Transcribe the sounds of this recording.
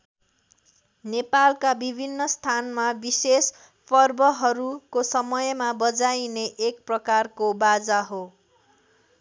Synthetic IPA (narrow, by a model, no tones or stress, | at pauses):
nepalkabibʱinːʌst̪ʰanmabises | pʌrbʌɦʌɾukosʌmʌjmabʌd͡zajneʔek̚prʌkarkobad͡zaɦo